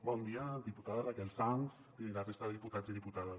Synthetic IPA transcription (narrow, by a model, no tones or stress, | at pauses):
bɔnd̪iad̪iput̪aðazakɛlsans | ilarest̪aðəðiput̪ad͡ziðiput̪aða